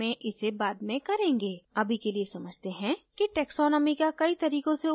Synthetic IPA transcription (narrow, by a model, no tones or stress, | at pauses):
ẽʔɪsebaːd̪mẽkɐɾẽːŋɡeːɐbʱikeliesɐməd͡ʒʱt̪eɦɛ̃kiʈɛːksɔːnəmikakɐit̪ɐɾiːkõse